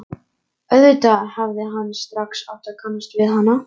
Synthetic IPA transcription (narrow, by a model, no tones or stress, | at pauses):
œðʏt̪ahavðɪɦanːst̪ɾaksa̰wht̪akʰanːast̪vɪðɦanːa